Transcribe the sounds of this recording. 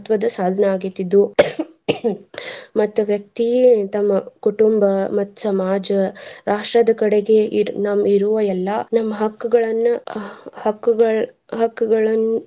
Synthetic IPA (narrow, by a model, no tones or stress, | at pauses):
t̪ʋɐd̪ɐsaːd̪ʱɐneaːɡit̪ːid̪u | mɐt̪ːuʋjɐk̚t̪it̪ɐmːɐkuʈumbɐmɐt̪ːu̥sɐmaːd͡ʒɐɾaːʂʈɾɐd̪ɐkɐɽeɡe̞nɐmːiɾuʋɐɛlːɐnɐmːɐɦɐkːuɡɐɭɐnːuhɐkːuɡɐɭ | ɦɐkːuɡɐɭɐnːu